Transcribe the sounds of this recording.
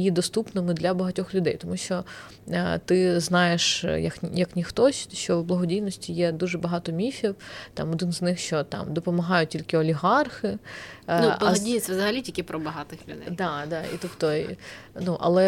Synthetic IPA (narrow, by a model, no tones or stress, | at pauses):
jid̪ɔst̪upnɪmɪd̪lʲɐbɐɦɐtʲɔxlʲʊd̪ɛjt̪ɔmuʃt͡ʃɔ | t̪ɪznɑjeʃjɐkjɐknʲixt̪ɔsʲʃt͡ʃɔwblˠɐɦɔdʲijnɔsʲtʲijɛd̪uʒɛbɐɦɑt̪ɔmʲifʲiwt̪ɑ̰mɔd̪ɪnznɪxʃt͡ʃɔt̪ɑ̰md̪ɔpɔmɐɦɑjʊtʲilʲkɪɔlʲiɦɑrxɪnublˠɔdʲijɪʋzɐɦɐlʲitʲikɪpɾɔbɐɦɑt̪ɪxlʲʊd̪ɛ̰jd̪ɑd̪ɑḭt̪ɔpt̪ɔnuʔɐ̰lˠɛ